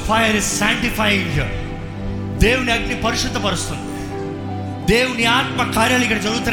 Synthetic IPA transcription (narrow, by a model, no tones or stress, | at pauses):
fajəɾɪzsæ̃ŋʈifaːjɪ̃ŋɡɦḭ | d̪eːʋniɐɡnipɐɾɪʃʊd̪ːɐpɐɾɐst̪un | d̪eːʋniaːt̪mɐkːaːɾjalikɐɽed͡ʒɐɾuːt̪ɾ